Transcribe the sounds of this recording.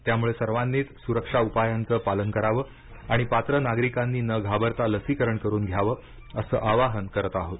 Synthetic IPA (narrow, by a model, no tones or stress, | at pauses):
t̪jamuɭesəɾʋanːiːt̪suɾəkʂaupajant͡səːpalənkəɾaʋəː | aɽ̃ipat̪ɾənaɡɾikanːiːnəɡʱabəɾt̪aləsikəɾəɳkəɾuːnɡʱjaʋəː | əsə̰ːʔaʋaɦənkəɾət̪aɦot̪